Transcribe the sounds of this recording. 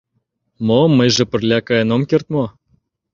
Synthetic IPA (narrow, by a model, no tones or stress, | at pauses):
momːəjʒĕpə̆rlʲækɑjenomkert̪̚mo